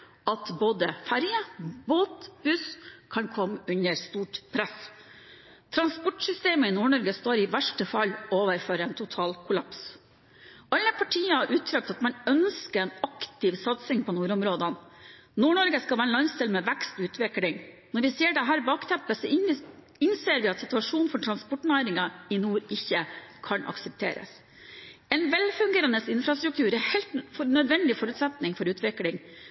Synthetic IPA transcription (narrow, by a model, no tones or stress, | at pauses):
ɑt̪boːd̪əfæɾjəboːt̪b̥ʉskʰɑnkʰɔmːʉɲəɾst̪uːʈpʰɾæs | t̪ʰɾɑnspɔʈʂʏst̪eːməɪnuːɳɔɾɡəst̪oːɾɪʋæʂʈəfɑloːʋəɾføːɾəɛːnt̪ʰʊt̪ʰɑːlkʰʊlɑps | ʔɑlːəpʰɑʈʰiːəhɑɾʔʉːt̪ʰɾɑk̚t̪ɑt̪mɑnœnskəɛːnɑkt̪ɪʋsɑt̪sɪŋpʰɔnuːɾʊmɾoːd̪ən | nuːɳɔɾɡəskɑlʋæːɾənɑnst̪ɪlmɛʋækst̪ʉːt̪ʋɪklɪŋ | nɔɾʋɪseːɖɛɦæːɾbɑːkt̪ʰɛmpəsɔ | ɪnseːɾʋɪɑt̪sɪt̪ʉɑʂuːnfɔʈʰɾɑnspɔʈnæɪɾɪŋɑɪnuːɾɪçːəkʰɑnʔɑ̰ksəp̚t̪ʰḛːɾə̰s | ɛnʋɛlfʉŋɡeːɾɑnəsɪnfɾɑst̪ɾʉk̚t̪ʰʉːɾɛhɛɪlt̪nœd̪ʋɛnd̪ɪfɔɾʉt̪sɛt̪nɪŋfɔɾʉːt̪ʋɪklɪŋ